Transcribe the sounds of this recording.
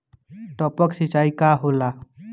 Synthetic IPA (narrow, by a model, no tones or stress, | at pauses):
ʈ̪ɔpəksit͡ʃaikaɦola